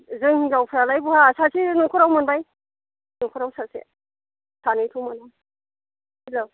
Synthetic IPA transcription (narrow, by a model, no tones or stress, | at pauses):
zɯŋhiŋzawpʰaɾalajbuhasasinɔkʰɔɾawmanbaj | nɔkʰɔɾawsasḛ | sanɯjtʰuwmana | ilo